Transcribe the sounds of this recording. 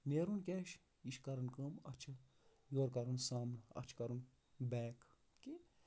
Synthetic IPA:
neːɾunkʲeːʃ | iʃkɐɾɨnkəːmɐ̰t͡ʃʰɐ | joːɾkɐɾunsaːmnɐ̰t͡ʃʰkɐɾun | bɛːkʰ | ki

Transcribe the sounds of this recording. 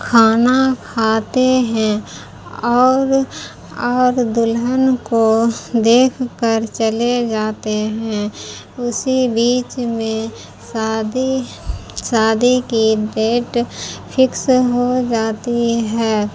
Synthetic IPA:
kʰaːnakʰaːt̪eɦɛ̃ | ɔːɾ | ɔːɾd̪ʊlɦənkod̪eːkʰkəɾt͡ʃəled͡ʒaːt̪eɦɛ̃ | ʊsibiːt͡ʃmẽ | sd̪i | saːd̪ikiɖeːʈpʰɪksɦod͡ʒaːt̪iɦɛː

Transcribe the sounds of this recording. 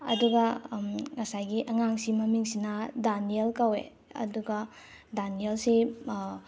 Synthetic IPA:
ɐ̰duɡɐŋɐsajɡiʔɐŋaŋsimɐmiŋsinɐdanielkawḛ | ɐ̰duɡɐ | danielse

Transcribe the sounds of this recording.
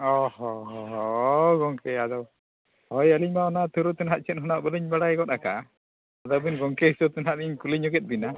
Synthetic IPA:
ɔhɔɦɔɦɔɡɔŋkɛad̪ɔw | hɔjaliɲmaɔnat̪ʰuɾut̪ɛnɦaʔ̪̚t͡ʃʰɛt̪̚ɦɔnaʔbəliɲbaɽaɡɔt̪̚aka | ad̪ɔbinɡɔŋkɛhisɔt̪ɛnɦaʔt̪iɲkuliɲuɡɛt̪̚ˀbina

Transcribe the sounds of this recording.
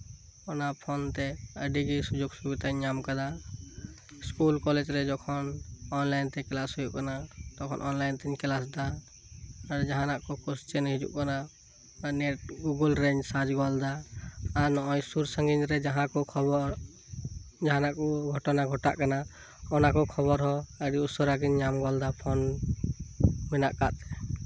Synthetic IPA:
ɔnapʰɔnt̪ɛəɖiɡisud͡ʒoɡsubit̪aɲamkad̪a | skulkɔlɛd͡ʒɾɛd͡ʒɔkʰɔnɔnlajnt̪ɛklasɦujuʔkanat̪ɔkʰɔ̰nʔɔnlajnt̪ɛɲkɛlasd̪aː | ɾd͡ʒaɦanaʔkɔkɔst͡ʃɛnɦid͡ʒṵʔkana | nɛʈ̚ɡuɡɔlɾɛɲd͡ʒsad͡ʒɡɔld̪aː | ɾnɔɔjsuɾsəŋɡinɾɛd͡ʒaɦãkɔkʰɔbɔɾ | d͡ʒaɦanaʔkɔɡʱɔʈɔnaɡʱɔʈa̰ʔkana | ɔnakɔkʰɔβɔɾɦɔeɽiusɔɾaɡinɲamɡɔld̪apʰɔn | minaʔka̰t̪ɛ

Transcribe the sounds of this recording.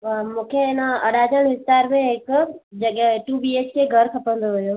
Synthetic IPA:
ʋamũkʰenaəɽad͡ʒənɦɪst̪aɾmẽekd͡ʒəɡɛʈubiet͡ʃʰkeɡʱəɾkʰəpə̃nd̪oɦojo

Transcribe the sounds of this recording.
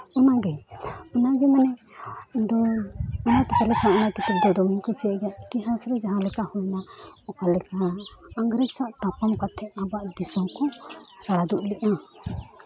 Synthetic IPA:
ɔnaɡɛɔnaɡɛmanɛ | d̪ɔɔnat̪ɛpɛlɛkaʔɔnakit̪ɛp̚d̪ɔd̪ɔmiɲkɔsɛaʔɡaʔkiɦasɾɛd͡ʒaɦãlɛkahɔjnaɔkalɛkaːŋɡɾɛsaʔt̪apamkat̪ʰːɛʔabaʔd̪isɔmkɔɾaɽad̪uʔliʔa

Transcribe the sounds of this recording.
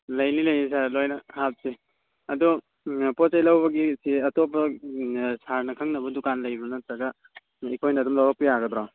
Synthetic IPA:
lɐjnilɐjnisaɾlojnɐhap̚se | ɐdu | pɔt͡ʃajlɐwbɐɡisiɐtopɐ | saɾnɐkʰɐŋnɐbɐdukanlɐjbɐnɐt̪ɾɐɡa | ikʰojnɐːdumlawɾak̚pijaɡɐdɾaw

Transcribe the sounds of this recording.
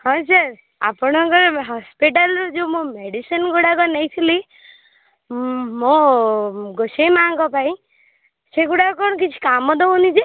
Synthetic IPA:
hɔ̃saɾ | a̰pɔɽ̃ɔkɔɾɦɔspiʈ̬alɾɔd͡ʒemũmeɽisənɡuɽakɔnejt̪ʰili | mɔ | ɡosemaŋkɔpaĩ | seɡuɽakɔkɔnk̬it͡ʃʰu̥kamɔd̪ɔonit͡ʃʰe

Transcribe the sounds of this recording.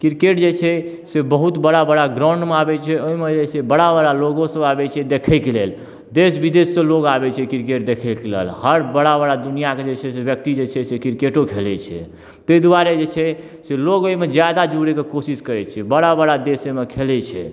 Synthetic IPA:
kiɾkeʈd͡ʒet͡ʃʰɛ | sebəɦut̪bəɽabəɽaɡɾãʊ̃ɳɖmeabɛt͡ʃʰɛoimed͡ʒesebəɽabəɽaloɡõsə̃babɛt͡ʃʰɛd̪ekʰɛkelel | d̪esbid̪esːə̃loɡabɛt͡ʃʰɛkiɾkeʈ̚d̪ekʰɛkelḛlhəɾbəɽabəɽad̪unijaked͡ʒet͡ʃʰɛsebjək̚t̪id͡ʒet͡ʃʰɛsekiɾkeʈokʰelɛt͡ʃʰɛ̰ | t̪əjd̪uaɾed͡ʒet͡ʃʰɛ | seloɡoimed͡ʒjad̪ad͡ʒuɾekekosiskəɾɛt͡ʃʰɛbəɽabəɽad̪esemekʰelɛt͡ʃʰɛ̰

